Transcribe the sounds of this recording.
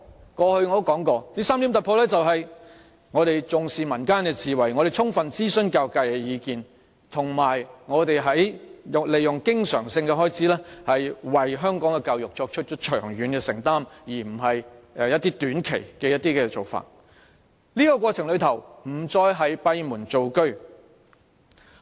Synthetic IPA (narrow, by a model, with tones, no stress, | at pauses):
kɔː˧hɵ˧ɥŋɔ˨˧d̪o˥wkɔː˨˥ŋkɔː˧niː˥saː˥mli˨˥mt̪ɐ˨pʰo˧wlɛː˥t͡sɐ˨wɦɐ˨j | ŋɔː˨˧ɾe˨jt͡sʊ˨ŋsiː˨mɐ˨˩nkaː˥nkɛ˧t͡siː˨wɐ˨˩jŋɔː˨˧ɾe˨jt͡sʰʊ˥ŋfɐ˨nt͡siː˥sɵ˥nkaː˧wkaː˧jkɛ˧jiː˨˧kiː˨n | t̪ʰʊ˨˩ŋmaː˨˩jŋɔː˨˧t̪e˨jɦɐ˨˥jʊ˨le˨jːʊ˨ŋkɪ˥ŋsœː˨˩ŋsɪ˧ŋkɛ˧ɦɔː˥jt͡siː˨˥lɛː˥hɐ˨jwɐ˨jɦœː˥ŋkɔː˨˥ŋkɛː˧kaː˧wjʊ˨k̚t͡ʃɔː˧k̚t͡ʃʰɵ˥t̚t͡ʃʰɵ˥t̚t͡ʃʰœ̰ː˨˩ŋjyː˨˥nkɛː˧sɪ˨˩ŋt̪aː˥mjiː˨˩m̩˨˩ɦɐ˨jjɐ˥t̪ːiː˥t̪yː˨˥nkʰḛ˨˩jkɛː˧jɐ˥t̚t̪iː˥kɛː˧t͡so˨wfa̰ː˨t̚ | niː˥kɔː˧kwɔː˧t͡sʰɪ˨˩ŋlɵ˨˧ɥt̪ʰɐ˨˩wm̩˨˩t͡sɔː˧jɦɐ˨jpɐ˧jmuː˨˩nt͡so˨wkɵ˥ɥ